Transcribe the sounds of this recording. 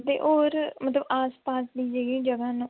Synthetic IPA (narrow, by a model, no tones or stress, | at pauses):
t̪ḛːʔoːɾmət̪ləbaːspaːsd̪iːd͡ʒeːɡiːd͡ʒəɡãːnũː